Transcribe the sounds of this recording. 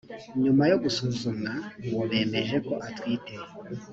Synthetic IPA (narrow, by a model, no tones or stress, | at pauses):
ɲumajo̞ɡusuzunaŋoβe̞ːme̞ʒe̞ko̞ʔatwiːte